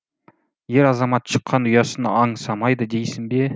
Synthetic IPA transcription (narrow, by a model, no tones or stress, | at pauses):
je̞ɾɑzɑmɑt̪ʃəqːɑnʊjɑsənə̰ɑɴsɑmɑjd̪əd̪e̞jsɪmbe̞